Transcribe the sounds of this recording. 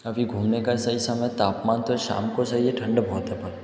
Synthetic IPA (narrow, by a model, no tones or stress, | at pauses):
ɐbʱiɡʱuːmnekasɐɦisɐməjt̪aːpmaːnt̪oʃa̰ːmkosɐɦieʈʰɐ̃ɳɖbʱoːt̪ɦɛpɐɾ